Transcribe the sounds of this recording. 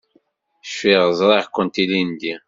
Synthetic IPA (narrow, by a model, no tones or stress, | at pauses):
ʃfiʁəzˤɾˤɑʁkʷːənt̪ilind̪i